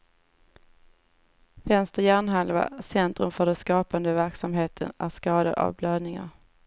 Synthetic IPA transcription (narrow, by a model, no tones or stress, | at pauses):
vɛnst̪əjæːɳɦalva̰sɛnt̪ɾɵmfœɖɛnskɑːpand̪əvæɾksamɦeːt̪ʰə̰næʂkɑːd̪ad̪a̰vbløːd̪nɪŋa̰ɾ